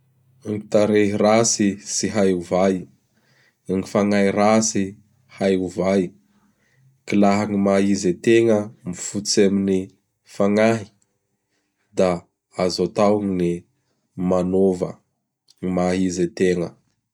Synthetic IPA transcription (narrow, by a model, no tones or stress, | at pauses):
aŋit̪aɾeɦirasisiɦajuvaj | ŋifaŋaɦiɾasi | hajuvaj | kilaɦaŋimaɦizet̪eŋəmifut͡samini | faŋaɦi̥ | d̪a | azot̪awaŋini | manovə̰ | ŋimaɦizet̪eŋə